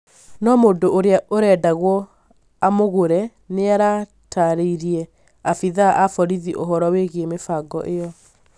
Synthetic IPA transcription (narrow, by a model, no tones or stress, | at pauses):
nɔmoːndooɾeaʔoɾɛːdaɣwɔ | amoɣoɾɛ | neaɾa | tʰaɾeiɾiɛ | afiðaʔafɔɾiðiʔoɦɔɾɔweɣemefaɡɔ̰ʔejɔ